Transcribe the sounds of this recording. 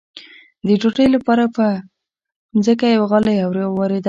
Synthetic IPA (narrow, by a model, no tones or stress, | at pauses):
d̪əʈoʈəjlapɑɾapə | nzəkajawaɣalajawɾjɑwɑɾed̪a